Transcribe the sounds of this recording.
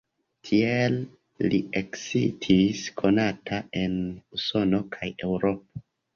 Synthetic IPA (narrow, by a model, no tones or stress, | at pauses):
tʰielː | ieksitʰiskʰo̞natʰae̞nuso̞no̞kʰaje̞wɾo̞p̚o̥